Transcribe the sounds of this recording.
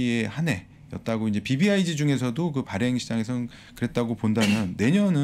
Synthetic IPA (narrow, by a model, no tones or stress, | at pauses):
iehane̞ | jʌt̚t͈aɡoind͡ʑe̞pibiaid͡ʑid͡ʑuŋe̞s̬ʰʌdokɯpaɾeŋɕʰid͡ʑaŋe̞sʰʌn | kɯɾe̞t̚t͈aɡopondamjʌnːe̞ɲʌnɯ